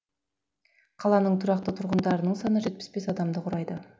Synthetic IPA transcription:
qʰɑlˠɑnəɴt̪ʰʊɾɑqt̪ət̪ʰʊɾʁənd̪ɑɾənəɴsɑnəʒe̞t̪̚pɪ̥sbe̞sɑd̪ɑmd̪əqʰʊɾɑjd̪ə

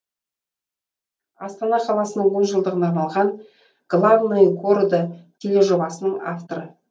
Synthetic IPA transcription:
ɑst̪ɑnɑqʰɑlˠɑsənəɴwo̞nʒəlˠd̪əʁənɑɾmɑlˠʁɑn | ɡ̥lˠavnojɡoɾd̪ət̪ʲʰe̞le̞ʒo̞bɑsənəɴa̰ft̪o̞ɾə

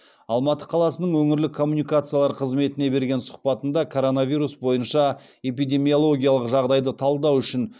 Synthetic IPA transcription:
ɑlˠmɑt̪əqʰɑlˠɑsənəɴwɵŋɪɾlɪkʰːo̞mːunijkat̪sɨjalˠɑɾqʰəzme̞t̪ɪne̞be̞ɾɡʲe̞nsʊ̥qpɑt̪ənd̪ɑkʰo̞ɾo̞navʲiɾusbo̞jənʃɑe̞pijd̪ʲe̞mio̞lˠo̞ɡʲijalˠəqʒɑʁd̪ɑjd̪ət̪ʰɑlˠd̪ɑwʏʃɪn

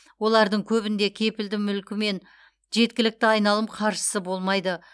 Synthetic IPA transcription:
wo̞lˠɑɾd̪əɴkʲʰɵβɪnd̪e̞kʲʰe̞pɪld̪ɪmʏlkʲɪme̞n | ʒe̞t̪̚kʲɪlɪk̚t̪ɪɑjnɑlˠəmqʰɑɾʃə̥səbo̞lˠmɑjd̪ə

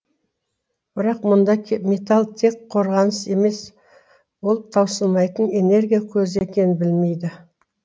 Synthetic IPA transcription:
b̥ɪɾɑqmʊnd̪ɑkʲʰmʲe̞t̪alˠt̪ʰe̞kqʰo̞ɾʁɑnəse̞me̞s | wo̞lˠt̪ʰɑwsəlˠmɑjt̪əne̞ne̞ɾɡʲijakʲʰɵze̞kʲe̞nɪbɪlme̞jd̪ɪ

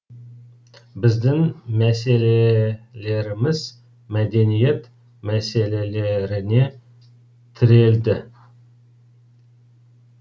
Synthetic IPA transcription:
bɪzd̪ɪŋmæse̞lele̞ɾɪmɪz | mæd̪e̞nije̞t̪ | mæse̞le̞le̞ɾɪne̞ | t̪ʰɪɾe̞ld̪ɪ

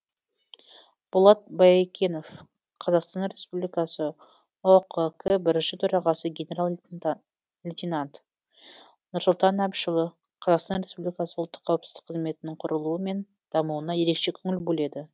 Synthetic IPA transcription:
b̥ʊlˠɑt̪̚bɑjkʲʰe̞no̞f | qʰɑzɑqst̪ɑnɾe̞spublʲijkɑsə | oqəkʰəbɪɾɪnʃɪt̪ʰɵɾɑʁɑsəɡʲe̞nʲe̞ɾalˠ | lʲit̪ʲinant̪ | nʊɾsʊlˠt̪ɑnæpʃəlˠə | qʰɑzɑqst̪ɑnɾʲe̞spublijkɑsəʊlˠt̪ːə̥qʰːɑwəpsɪzd̪ɪk̚qʰːəzme̞t̪ɪnɪŋqʰʊɾəlˠuəme̞n | d̪̥ɑmuwənɑje̞ɾe̞kʃe̞kʲʰɵŋʲɪlbɵle̞d̪ɪ

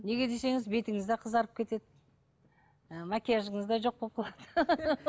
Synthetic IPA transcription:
ne̞ɡʲe̞d̪e̞se̞ŋɪzbe̞t̪ɪŋɪzd̪eqʰəzɑɾəp̚kʲʰe̞t̪e̞d̪ɪ | mækʲejʒəɴəzd̪ɑjʒo̞q̚bop̚qʰɑlˠɑd̪̥ə

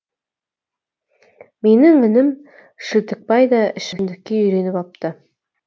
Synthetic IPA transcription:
minɘŋɵ̆nɘm | ʃɘ̆t̪ɘ̆k̚pɑjd̪ɑɘ̆ʃɘ̆ɘmd̪ɘ̆kːeɵ̆jɾenɘpɑp̚t̪ɤ

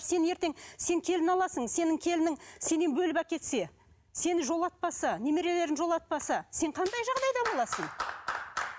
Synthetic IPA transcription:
se̞ne̞ɾt̪e̞ŋse̞ŋkʲʰe̞lɪnɑlˠɑsəɴse̞nɪŋkʲʰe̞lɪnɪŋse̞nenbɵlɪbækʲe̞t̪se̞ | se̞nɪʒo̞lˠɑt̪̚pɑsəne̞me̞ɾe̞le̞ɾɪnʒo̞lˠɑt̪̚pɑsəse̞ɴqʰɑnd̪ɑjʒɑʁd̪ɑjd̪ɑbo̞lˠɑsəɴ

